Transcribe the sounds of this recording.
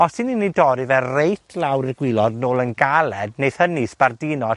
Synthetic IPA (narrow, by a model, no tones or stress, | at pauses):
ɔsɨninːidɔɾɨvɛrejtʰlˠawɾɪrɡwɪlˠɔdnoːlˠənɡalˠɛdnejð̥hənɨsb̥ardɪnɔ